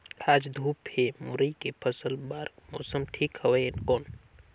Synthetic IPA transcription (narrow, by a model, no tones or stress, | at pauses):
aːd͡ʒd̪ʱuːphemʊɾəikepʰəsəlbaːɾkmɔːsəmʈʰiːkhɐʋejɪnkoːn